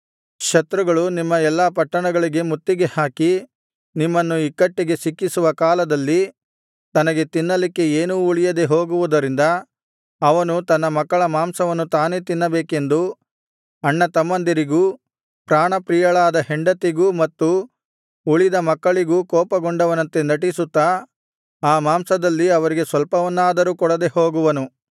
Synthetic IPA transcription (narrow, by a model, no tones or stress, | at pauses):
ʃɐt̪ɾuɡɐɭunimːɐɛlːaːpɐʈːɐɳɐɡɐɭiɡe̞mut̪ːiɡe̞haːki | nimːɐnːuikːɐʈːiɡe̞sikːisuʋɐkaːlɐd̪ɐlːi | t̪ɐnɐɡe̞t̪inːɐlikːe̞eːnuːɭijɐd̪e̞ɦoːɡuʋud̪ɐɾind̪ɐː | ʋɐnut̪ɐnːɐmɐkːɐɭɐmaːmsɐʋɐnːut̪aːneːt̪inːɐbeːke̞nd̪u | ɐɳːɐt̪ɐmːɐnd̪iɾiɡuː | pɾaːɳɐpɾiːjɐɭaːd̪ɐheɳɖɐt̪iɡuːmɐt̪ːuː | ɭid̪ɐmɐkːɐɭiɡuːkɔːpɐɡoɳɖɐʋɐnɐnt̪e̞nɐʈisut̪ːa | aːmaːmsɐd̪ɐlːiɐʋɐɾiɡe̞sʋɐlpɐʋɐnːaːd̪ɐɾuːkɔɽɐd̪e̞ho̞ːɡuʋɐnu